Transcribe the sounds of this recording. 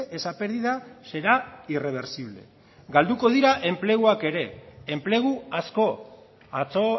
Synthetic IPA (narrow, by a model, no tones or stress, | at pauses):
ʔesape̞ɾðiðase̞ɾaire̞β̞e̞ɾsiβle̞̰ | ɡald̪uko̞ð̞iɾaʔe̞mple̞ɣuake̞ɾe̞ːmple̞ɣ̞uasko̞ | at͡so